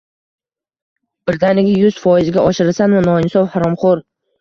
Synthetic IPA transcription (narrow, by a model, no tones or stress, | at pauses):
b̥ɪɾd̪anɪɡʲɪjʊz̥fɒɪzɡʲaʔɒʃɪɾɪsanvanɒɪnsɒwhaɾɒmχoɾ